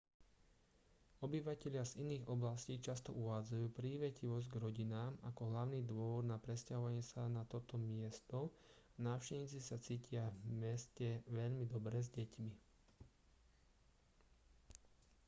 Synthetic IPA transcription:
ɔbiʋacɛʎɪaziniːɣɔblasciːt͡ʃast̪ɔ̰ʔuʋaːd͡zajuːpɾiːʋɛciʋɔzɟɡɾɔɟinaːmakɔɦlaʊniːd̪ʊɔʋɔd̪napɾɛscaɦɔʋaɲɪɛsanat̪ɔt̪ɔmɪɛst̪ɔ | anaːfʃcɛʋɲiːt͡sisat͡siːcʰɪavmɛscɛʋɛʎmid̪ɔbɾɛzɟɛcmi

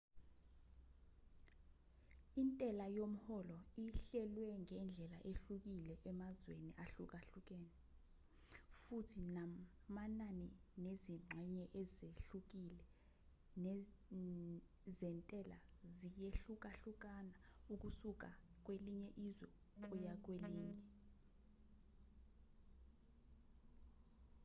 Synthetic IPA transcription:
intʼɛlajom̩hɔlɔiɬɛlwɛŋɛnd͡ɮʱɛlaʔeɬuk̬ilɛʔɛmazweniʔaɬuk̬aɬuk̬ɛːnɛ | futʰina | mananineziŋ͡ǁʱɛɲɛʔɛzeɬuk̬ilɛ | nɛ | zɛntʼɛla̰zijeɬuk̬aɬuk̬anauk̬usuk̬ak̬weliɲɛʔizwɛ | k̬ujak̬weliːɲɛ

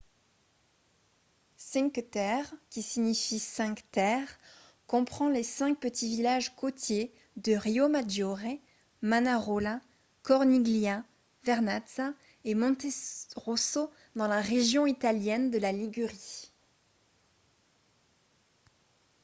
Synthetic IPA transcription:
sɛ̃kt̪ɛʁkʲisiɲifisɛ̃kt̪ɛʁ | kɔ̃pχɑ̃lesɛ̃k̚pət̪ʰivilaʒkot̪je | d̪əʁiomad̪jɔʁe | manaʁola | kɔʁniɡlja | vɛʁnat̪sa | emɔ̃t̪eʁoso | d̪ɑ̃laʁeʒjɔ̃it̪aljɛnd̪əlaliɡʲyʁi

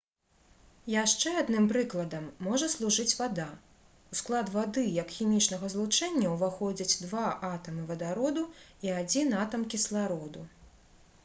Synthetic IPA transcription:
jaʂt͡ʂɛad̪nɨmpɾɨklˠɐd̪ɐmːɔʐɐslˠuʐɨt͡sʲvad̪a | usklˠad̪vad̪ɨjɐkxʲimʲit͡ʂnɐɣɐzlˠut͡ʂɛnʲːɐwvaxɔd͡zʲɐt͡sʲd̪vaʔat̪ɐmɨvɐd̪aɾɔd̪uiad͡zʲinat̪ɐmkʲislˠaɾɔd̪u

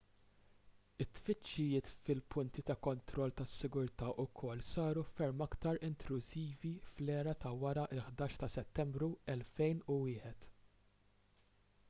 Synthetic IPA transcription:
ɪt̪ːfɪt͡ʃːɪjɪːt̪fɪlpʊnt̪it̪ɐkɔnt̪ɾɔlːt̪ɐsːɪɡʊɾt̪ɐːʔʊkʰɔlːsɐːɾufɛɾmɐkt̪ɐɾɪnt̪lʊziːviflɛːɾɐt̪ɐwɐɾɐʔɪlħd̪ɐːʃt̪ɐsɛt̪ːɛmbɾuɛlfɛjnʊwɪːħɛt̪

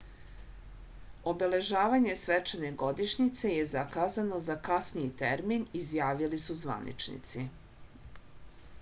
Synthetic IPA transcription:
o̞be̞le̞ʒaːʋaɲe̞sʋet͡ʃene̞ɡo̞d̪iʃɲit̪se̞je̞zakaːzano̞zakasniit̪eɾminizjaːʋilisuzʋa̰nḭt͡ʃnḭt̪si

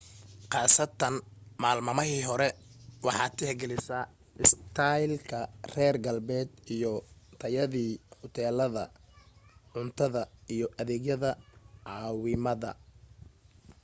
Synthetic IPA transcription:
qɑːsɐt̪ʰːɐnmaːlmɐmɐɦiːɦɔɾɛwɑħɑːt̪ʰɪhɛɡɛlɪsa | ɪst̪ʰajlkʰɐrɛːrɡɐlbɛːd̪ijɔt̪ʰɐjɐðiːhɔt̪ʰɛːlɐðɐ̰ | ʕʊnt̪ʰɐðɐijɞʔɐðɛːɡjɐðɐʕɑːwɪmɐðɐ̰

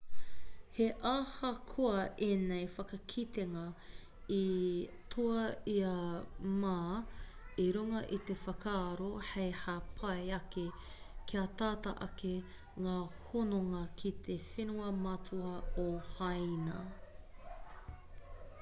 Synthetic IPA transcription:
heʔaːhɐkʰoɐʔeːnejfɐkɐkʰit̪eŋɐ | itʰuɐiɐmaː | iɾuŋɐʔit̪efɐkʰaːɾohejhapʰɐjɐke | kʰiɐt̪aːtɐʔɐke | ŋaːhonoŋɐkʰit̪ʰefenuɐmɐtʰuɐohɐjnɐ

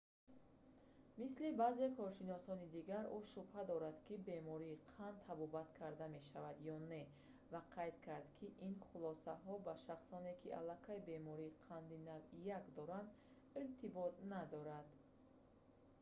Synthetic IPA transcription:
mislibaze̞kʰɔɾʃinɔsɔnid̪iɡaɾuʃubhad̪ɔɾad̪kʰibe̞mɔɾiːqʰand̪̚t̪ʰabɔbat̪kʰaɾd̪ame̞ʃavad̪jɔne̞ | vaqʰajd̪kʰaɾd̪kʰiʔinχulɔsaɦɔbaʃaχsɔne̞kʰiʔa̰lːakʰajbe̞mɔɾiːqʰand̪inavijakd̪ɔɾand̪ | iɾt̪ʰibɔt̪̚nad̪ɔɾad̪

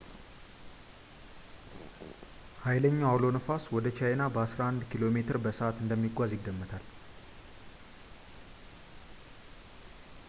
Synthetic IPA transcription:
hajləɲːawawlo̞nəfaswɔd̪ət͡ʃʰajnabəasɾahand̪kʰilo̞me̞t̪ʰɨɾbəsəʔat̪ɨnd̪əmːiɡʷazjɪɡːəmːət̪ʰal

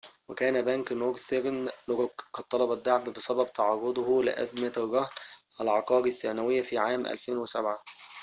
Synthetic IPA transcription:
wɪkæːnæbæŋkmoɡseɾnloɡoɡkːɑd̪̚t̪ˤːɑlɑbæd̪ːaʕbbɪsæbæb̚t̪ɑʕɑːɾˤod̪ˤhlɪ̰ʔæ̰zmæɾˤːɑhælʕɑqɑːɾiθːæːnæwɪjːæfiːʕaːmʔæ̰lfeːnwɪsæbʕa

